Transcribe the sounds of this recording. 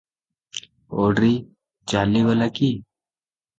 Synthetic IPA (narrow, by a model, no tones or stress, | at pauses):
oːɖɾiː | t͡ʃaːliʋəlakiː